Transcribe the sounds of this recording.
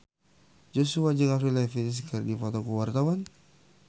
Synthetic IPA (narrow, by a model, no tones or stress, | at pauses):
d͡ʒosuad͡ʒəŋafɾilafinis̬kərdifɔt̪okuwart̪awan